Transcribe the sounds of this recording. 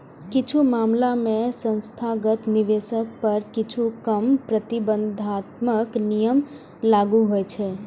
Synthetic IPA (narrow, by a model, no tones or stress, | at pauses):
kɪt͡ʃʰumamlamẽsə̃nst̪ʰaɡət̪niʋesək̚pəɾkɪt͡ʃʰukəmpɾət̪ibənd̪ʱat̪məknijəm | laɡuɦojt͡ʃʰe